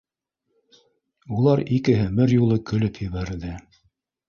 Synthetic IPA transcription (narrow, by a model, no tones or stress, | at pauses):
ulˠɑɾikɘɦɘmɘɾjulˠɤkɵ̆lɵpʰjɘ̆βæɾðɘ